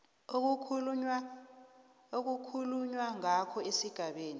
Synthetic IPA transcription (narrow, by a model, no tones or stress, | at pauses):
ok̬uula | ok̬ukʰuluɲwaŋakʰɔesiɡ̥ʱaɓeːni